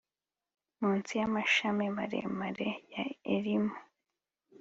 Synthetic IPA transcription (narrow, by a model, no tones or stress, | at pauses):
muːnt͡sijamaʃamimaɾḛmaɾejaḛɾimu